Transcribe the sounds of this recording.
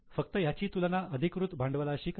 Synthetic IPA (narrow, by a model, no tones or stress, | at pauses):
fək̚t̪əjat͡ɕiːt̪ulanaəd̪ʱikʋɾut̪bʱaɳɖʋəlaəɕiːk